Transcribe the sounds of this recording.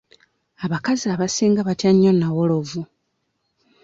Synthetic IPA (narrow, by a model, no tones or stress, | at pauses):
aβakaziaβasiːŋɡaβatjaɲːonawolo̞vu